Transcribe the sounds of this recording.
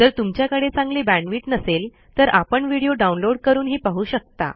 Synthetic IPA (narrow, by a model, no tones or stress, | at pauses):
d͡zəɾt̪umt͡ɕjakəɽet͡sãŋɡliːbæ̃ɳʋiːʈnəsel | t̪əɾʔapəɳʋiɽijoɖaunloɽkəɾuːnɦiːpaɦuːɕək̚t̪a̰